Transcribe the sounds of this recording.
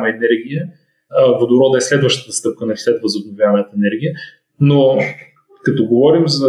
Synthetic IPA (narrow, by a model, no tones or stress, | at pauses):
mɐɛnɛɾɡ̟ʲijə | vod̪oɾɔd̪əɛslɛd̪vəʃt̪ə̥t̪əst̪ɤp̚kənɐfslɛt̪vɐzobnovjavɐɐnət̪əɛnɛɾɡʲijə | no | kɐt̪ɔɡovɔɾimzɐ